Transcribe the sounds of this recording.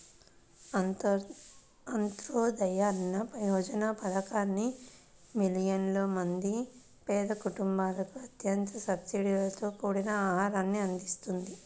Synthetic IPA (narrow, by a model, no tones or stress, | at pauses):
ɐnt̪ɾoːd̪ɐjaːnɐpɾɐjɔːd͡ʒɐnapɐd̪ɐkaːnːi | milijɐnlo̞ːmɐnd̪i | pɛːd̪ɐkuʈumbaːlɐkuɐt̪jɐnt̪ɐsɐbsiɽilɐt̪o̞ːkuːɽinɐaːɦaːɾaːnːiɐnd̪ist̪und̪i